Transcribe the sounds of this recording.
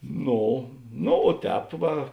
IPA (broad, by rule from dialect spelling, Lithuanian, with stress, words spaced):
ˈnoː noː oː ˈtʲɛːp ˈʋɐ